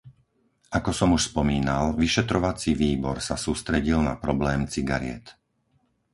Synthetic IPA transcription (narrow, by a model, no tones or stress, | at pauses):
ʔakɔsɔmuʃspɔmiːnalʋiʃɛt̪ɾɔʋat͡siʋiːbɔɾsasuːst̪ɾɛɟilna̰pɾɔblɛːmt͡siɡa̰ɾɪɛ̰t̪